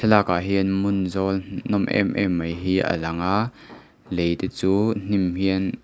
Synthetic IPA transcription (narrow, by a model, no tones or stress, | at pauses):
sʰɛlaːkaɦinmʊnzɔlnɔmʔɛ̰mʔɛ̰mːɐjɦiːʔə̰lɐŋaʔ | lejt̪ɛt͡suːn̥imɦiən